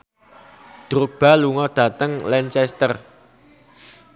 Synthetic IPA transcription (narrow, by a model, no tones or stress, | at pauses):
d̪̥ɾʊk̚b̥a̤luŋɔɖ̥ä̤t̪əŋlɛnt͡ʃɛst̪ər